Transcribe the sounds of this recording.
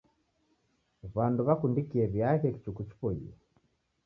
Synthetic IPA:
βanduβakundikiɛβjaɣɛki̥t͡ʃukut͡ʃi̥pɔḭɛ

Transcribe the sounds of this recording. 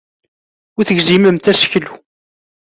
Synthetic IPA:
ʊθəɡziməmt̪æsə̥çlu

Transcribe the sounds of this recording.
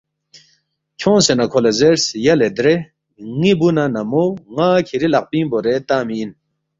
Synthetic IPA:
t͡ɕʰõŋsenakʰolazeɾsjaled̪ɾe | ŋibunanamoŋakʰiɾilaq̚piŋboɾet̪amiːn

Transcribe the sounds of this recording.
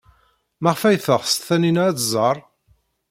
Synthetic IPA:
mæʁfæjθəʁst̪θæninæt͡s̪zˤɑɾˤ

